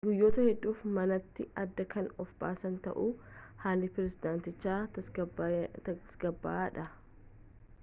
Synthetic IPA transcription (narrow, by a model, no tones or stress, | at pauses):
ɡʊjːo̞ːt̪ɐhɛdːuːfmɐnɐt̪ːɪɐd̪ːɐkɐnɔfba̰ːsɐnt̪ɐ̰ʔuːhaːlːɪpɪɾɛsɪd̪aːnt̪ɪt͡ʃːaːɐ | sɡɐbːa̰aːᶑɐ